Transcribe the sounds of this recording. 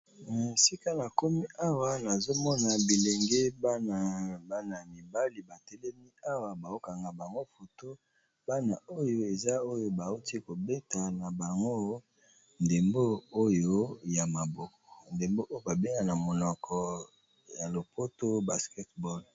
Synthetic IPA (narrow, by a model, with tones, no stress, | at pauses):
n˨si˦ka˦na˨ko˦mi˦ʔa˦wa˨na˨zo˦mɔ˦na˨bi˨le˨ŋɡe˦bn˨ba˦na˨mi˨ba˦li˨ba˨tɛ˦lɛ˦mi˦a˦wa˨ba˨o˦ka˨ŋɡa˨ba˨ŋɡo˦fo˨to˦ | ba˦na˨o˦jo˦e˨za˦o˦jo˦ba˨u˦ti˦ko˨be˦ta˨na˨ba˨ŋɡo˦ | nde˨mbo˦o˦jo˦ja˨ma˨bɔ˨kɔ̥˨nde˨mbo˦ʔo˦jo˦ba˨be˦ŋa˨na˨mo˨nɔ˨kʰɔ˨ | ja˨lo˨po˦to˦ba˨skɛ˦tbɔ˦˨l